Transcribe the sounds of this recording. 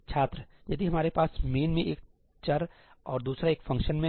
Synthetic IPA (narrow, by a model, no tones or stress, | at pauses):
t͡ʃʰaːt̪ɾəjɐd̪iɦɐmaːɾepaːsmeːnmẽʔeːk̚ | t͡ʃɐɾ | ɔːɾd̪uːsɾaeːkfʰɐ̃ŋkʃənmẽ